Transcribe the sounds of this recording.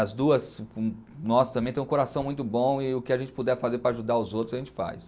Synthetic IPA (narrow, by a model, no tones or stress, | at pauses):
ɐzd̪uɐs | nɔsʊt̪ɐmbẽt̪ẽj̃koɾasɐ̃w̃mũj̃t̪ʊbõɪʊkɪaʒẽnt͡ʃɪ̥pud̪ɛɾfazeɾpɾɐːʒud̪aɾʊzowt̪ɾzɐʒẽnt͡ʃɪ̥fa̰js